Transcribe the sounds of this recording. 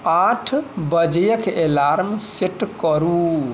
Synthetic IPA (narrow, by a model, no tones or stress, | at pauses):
aʈʰbəd͡ʒəjəkelaɾmseʈkɔɾu